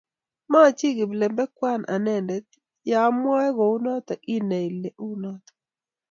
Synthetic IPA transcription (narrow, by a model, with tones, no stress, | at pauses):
ma˦˨t͡ʃi˦ɡɪ˨blɛ˨mbɛ˦kwa˦nʔa̰˨nɛ˦ndɛ˨˦t̪ | ja˨˦mwa˦ɛ˦ɡo˨u˦nɔ˦t̪ɔ˨ʔi˦ne˨i˨le˨ʔu˦nɔ˦t̪ɔ̥